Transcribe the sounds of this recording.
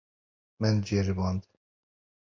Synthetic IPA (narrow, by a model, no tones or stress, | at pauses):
mɛnd͡ʒeɾɨbɑnd̪